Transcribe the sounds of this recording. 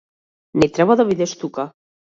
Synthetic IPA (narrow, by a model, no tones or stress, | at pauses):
net̪ɾɛβaðaβiðest̪uka